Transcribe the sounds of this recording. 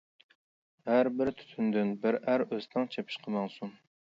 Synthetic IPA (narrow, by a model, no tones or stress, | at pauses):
hæɾbɪɾt̪ʰy̥t̪ʰynd̪ynbɪɾæɾøzt̪ʰɨŋt͡ʃʰepʰiʃqʰəmɑŋsun